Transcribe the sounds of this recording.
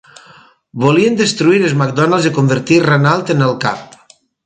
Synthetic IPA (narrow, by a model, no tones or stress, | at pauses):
boliənd̪əst̪ɾuiɾəzmak̚d̪ɔnalˠzikombəɾt̪irenalˠt̪enəlˠka̰p